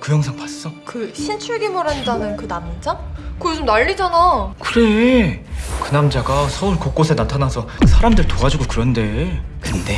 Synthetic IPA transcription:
kɯjʌŋsʰaŋpas͈ʌkɯɕʰint͡ɕʰuɭɡimoɾandanɯnkɯnamid͡ʑakɯt͡ɕomnaʎːid͡ʑanakɯɾe̞ | kɯnamd͡ʑaɡasʰʌuɭkok͈osʰe̞natʰanasʰʌsʰaɾamdɯɭtoɡad͡ʑiɡokɯɾʌnde̞ | kɯnde̞

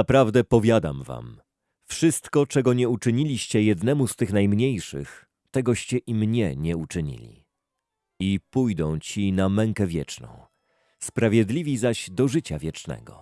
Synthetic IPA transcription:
napɾavd̪ɛpɔvʲjad̪a̰mva̰m | fʂɘst̪kɔt͡ʂɛɡɔɲɛut͡ʂɘɲilʲiɕt͡ɕɛjɛd̪nɛmust̪ɘxnajmɲejʂɘ̰x | t̪ɛɡɔɕt͡ɕɛʔimɲɛɲɛut͡ʂɘɲḭlʲḭ | ipujd̪ɔ̃w̃t͡ɕinamɛŋkɛvʲjɛ̰t͡ʂnɔ̰̃w̃ | spɾavʲjɛd̪lʲivʲizaɕd̪ɔʐɘt͡ɕavʲjɛt͡ʂnɛ̰ɡɔ̰

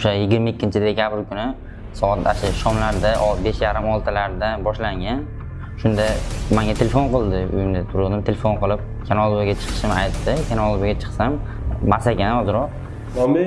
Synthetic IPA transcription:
ʊʃajɪɡʲɪɾmaɪkʲːɪnt͡ʃʰɪd̪e̞kʲʰabɪɾkʊnɪ | sɒat̪aʃɪʃɒmlaɾd̪aʔɒbe̞ʃjaɾɪmɒlˠt̪ʰalaɾd̪abɒʃlaŋɡʲan | ʃʊnd̪amaŋɡʲat̪ʰelʲefonqɨlˠd̪ɪʊ̰jɪmnɪt̪ʰʊɾʊlˠd̪ɪmt̪ʰelefo̞nqɨlˠɪp̚kʲʰanɒlˠbaɡʲat͡ʃʰɨ̥qʰɨ̥ʃɪmajt̪ʰːɪkʲʰanɒlˠbaɡʲat͡ʃʰɨ̥qsam | masakʲanɒzɪɾɒq̚

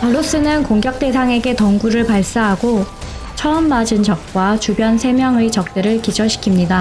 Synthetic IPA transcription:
pʌɾos͈ɯnɯnkoŋɡjʌk̚t͈e̞sʰaŋe̞ɡe̞tʌŋɡuɾɯɭpaɭs͈aɦaɡo | t͡ɕʰʌɯmːad͡ʑɯnd͡ʑʌk̚k͈wat͡ɕubjʌnsʰe̞mjʌŋɯit͡ɕʌk̚t͈eɾɯɭkid͡ʑʰʌɕʰi̥kʰimɲida

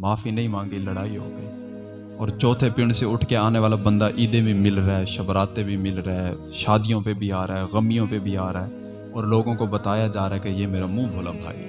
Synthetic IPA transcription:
maːfʰinɐɦĩmãːŋɡiləɽaːiɦo̰ːɡəiː | ɔːɾt͡ʃɔːt̪ʰepɪɳɖseʊʈʰkeaːneʋaːlabə̃nd̪aʔiːd̪ebʱimɪlɾaɦɛʃɐbɾaːt̪ẽbʱimɪlɾaɛ | ʃaːd̪ijõpebʱiaːɾaɦɛɣəmijõpebʱiaːɾɛː | ɔːɾloːɡõkobət̪aːjad͡ʒaːɾaɛkejeːmeːɾamũːbʱoːlabʱa̰ːḭɦɛ̰ː

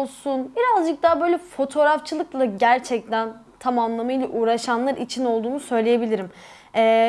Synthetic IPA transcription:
lˠsunbiɾazd͡ʒɯk̚t̪aːbø̞jlʲɛfo̞t̪ʰo̞ɾaft͡ʃʰɯlˠɯklˠaɟæɾt͡ʃʰɛc̚t̪ʰæn | t̪ʰamamlˠamajlˠaʔuːɾaʃanlˠaɾit͡ʃʰino̞lˠd̪uːnusø̞jlʲejebilʲiɾim | ɛː

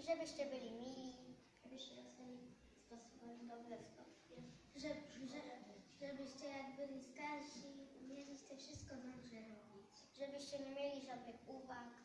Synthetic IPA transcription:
ʐɛbɘɕt͡ɕɛbɘlʲimʲilʲi | ʐɛbɘɕt͡ɕɛɾɔzvɛlʲi | spɔsubɛd̪ɔblɛst̪ɔt | ʐɛɛʐɛbɘɕt͡ɕɛjaɡbɘlʲist̪aɾɕimʲjelʲiɕt͡ɕɛfʂɘst̪̚kɔd̪ɔɡʐɛɾɔbʲit͡ɕ | ʐɛbɘɕt͡ɕɛɲɛmʲjelʲiʐad̪nɘxuvak

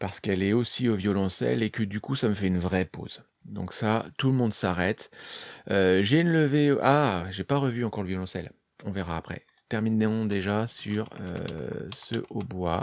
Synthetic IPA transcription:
paʁsə̥kɛlɛosiovjɔlɔ̃sɛ̰lekəd̪ykusaməfɛynvʁɛpo̰z | d̪ɔ̃ksat̪uləmɔ̃d̪saʁɛt̪ | øʒeynləveʔaʒepaʁəvyɑ̃kɔʁləvjɔlɔ̃sɛ̰l | ɔ̃veʁaːpχɛ̰ | t̪ɛʁminɔ̃d̪eʒasyʁø̰sə̰ʔobwa

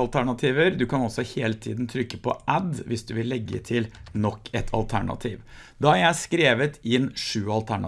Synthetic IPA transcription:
ɑlt̪ʰæɳɑt̪ʰiːʋəɾd̪ʉkʰɑnɔsɔheːlət̪ʰḭːd̪n̩t̪ʰɾʏkːəpʰɔʔæd̪ʋɪsd̪ʉʋɪlːɛɡːə̰t̪ʰɪlnɔkʰːɛt̪ʰɑ̰lt̪ʰæɳɑ̰t̪ʰiːʋ | d̪ɑːæɾjæɪskɾeːʋət̪ɪnːʂʉːɑlt̪ʰæɳɑ

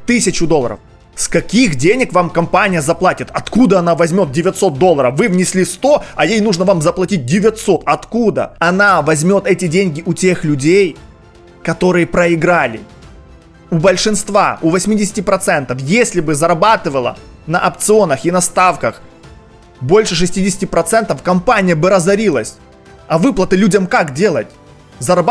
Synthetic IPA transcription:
t̪ɨsʲɪt͡ɕʊd̪oə̰ɾə̰f | skɐkʲixdʲenʲɪkvamkɐmpanʲɪjəzɐplˠatʲɪt̪ɐt̪kud̪əɐnavɐzʲmʲo̞t̪̚dʲɪvʲɪt̪so̞t̪̚d̪o̞lˠːəɾəfvɨvnʲɪsʲlʲist̪o̞ɐjejnuʐnəvamzəplˠɐtʲit̚ʲdʲɪvʲɪt̪so̞t̪ɐt̪kud̪ə̰ɐnavɐzʲmʲo̞t̪ɛtʲɪdʲenʲɡʲɪʔʊtʲe̞xlʲʉdʲej | kɐt̪o̞ɾɨjəpɾəɪɡɾalʲɪ̰ | ʊbəlʲʂɨnst̪vaʊvɐsʲmʲidʲɪsʲɪ̥tʲɪpɾɐt̪sɛnt̪əfjesʲlʲɪbɨzɐɾɐbat̪ɨvəlˠə̰ | nɐʔɐp̚t̪sɨo̞nəxɪnɐst̪afkəx | bo̞lʲʂɨʂ̬ɨsʲtʲidʲɪsʲɪ̥tʲɪpɾɐt̪sɛnt̪əfkɐmpanʲɪjəbɨɾɐzɐɾʲilˠəsʲ | ɐvɨplˠət̪ɨlʲudʲəmkakdʲe̞lˠətʲ | zɐɾɐb

